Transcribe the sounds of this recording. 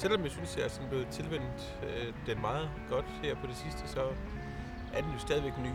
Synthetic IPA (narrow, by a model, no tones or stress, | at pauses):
sel̰ɒ̽mjasynsd̥eæɐsɒ̽nb̥le̝ːð̩ˠt͡sʰe̝lʋen̰d̥ | d̥enmɑ̈ːð̩ˠɡ̥ɒ̽d̥hæɐ̰pʰɒ̽d̥e̝sisd̥əsɒ̽ | æɐd̥enjo̝sd̥ɛðˠiʋeɡ̥ny̰